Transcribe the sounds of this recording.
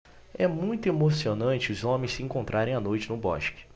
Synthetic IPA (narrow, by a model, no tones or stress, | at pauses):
ɛmũj̃t̪ʊemosionɐ̃nt͡ʃɪʊzõmẽj̃sɪẽŋkõnt̪ɾʔaɾẽj̃anojt͡ʃɪnʊbɔ̰ʃkɪ̥